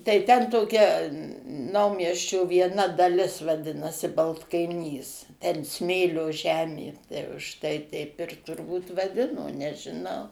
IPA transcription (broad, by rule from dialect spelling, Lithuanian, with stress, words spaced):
tɐɪ tʲɛn toːˈkʲɛ ˈnɐʊmʲiɛsʲt͡ʃʲoː ʋʲiɛˈnɐ dɐˈlʲɪs ʋɐˈdʲɪnɐsʲɪ bɐlˠtkɐɪˈnʲiːs ˈtʲɛn ˈsʲmʲeːlʲoː ˈʒʲæːmʲeː ˈtɐɪ ʊʃ ˈtɐɪ ˈtʲɛɪp ɪr tʊrˈbuːt ʋɐˈdʲɪnoː nʲɛʒʲɪˈnɐʊ